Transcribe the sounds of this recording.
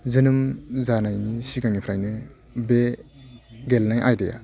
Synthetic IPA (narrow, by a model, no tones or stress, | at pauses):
zɯnɯmzanajnisiɡaŋipʰɾajnɯ | be | ɡelnajʔajdeja̰